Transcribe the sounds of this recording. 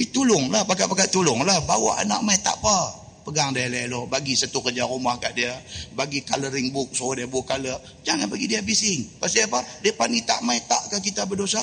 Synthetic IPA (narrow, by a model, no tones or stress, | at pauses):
it̪ulʊŋlahpakaʔpakaʔt̪ulʊŋlahbawa̰ʔa̰na̰ʔmait̪a̰ʔpa | pəɡaŋdajalalohbaɡisat̪ukərd͡ʒaɾumahkaʔdiabaɡikaləɾɪŋbʊk̚sodiabʊkːaləʔ | d͡ʒaŋanbaɡidiabisɪŋpast̪iapadiapanit̪a̰ʔmait̪a̰ʔkəkit̪abədosa